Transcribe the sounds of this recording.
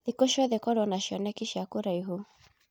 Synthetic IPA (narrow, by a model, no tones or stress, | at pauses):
ðikoʃɔðɛkɔɾwɔnaʃjɔnɛkiʃjakuɾaiɦu